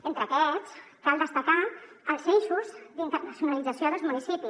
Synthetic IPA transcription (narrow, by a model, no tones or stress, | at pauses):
ent̪ɾəkɛt͡s | kalˠd̪əst̪əka | əlˠsensuzd̪int̪əɾrnəsjunəlid͡zəsjoðəlzmunisipis